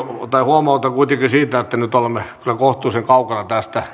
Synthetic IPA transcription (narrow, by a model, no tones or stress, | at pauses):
t̪ɑihuomɑut̪ɑkuit̪ekisiːt̪æet̪ːænyt̪olemːekylækoht̪uːseŋkɑukɑnɑt̪æst̪æ